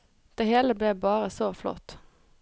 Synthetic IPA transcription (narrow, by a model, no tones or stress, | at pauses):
d̪̥eːheːləbleːbɑːʁəsoːflɔ̰t̪